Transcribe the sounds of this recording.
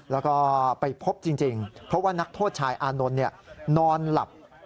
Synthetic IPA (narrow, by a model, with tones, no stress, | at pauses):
lɛː˦˥wkɔː˥˩pa˧jpʰo˦˥p̚t͡ɕi˧ŋt͡ɕi˧ŋpʰɾɔ˦˥waː˥˩na˦˥k̚t̪ʰoː˥˩t̪̚t͡ɕʰaː˧jʔaː˧no˧nːi˥˩ɐnɔː˧nla̰˨˩p̚